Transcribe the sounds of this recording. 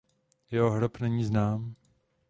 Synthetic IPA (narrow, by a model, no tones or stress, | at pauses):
jɛɦoɦɾopnɛɲiːznaːm